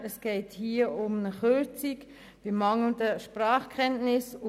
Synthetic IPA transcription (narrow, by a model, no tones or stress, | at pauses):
əsɡ̥eɪthiːəʊmnəχøɾt͡sik | b̥ɪmɑŋl̩dəʃpɾaːχkʰɛntnɪs